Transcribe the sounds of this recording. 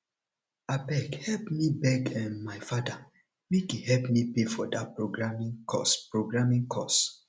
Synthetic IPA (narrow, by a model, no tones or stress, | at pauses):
abɛkhɛlpmibɛɡɛ̃nmajfada | mikihɛlpmipefɔdat̚pɹoɡɹamĩŋkʰɔ̰spɹoɡɹamĩŋkʰɔ̰s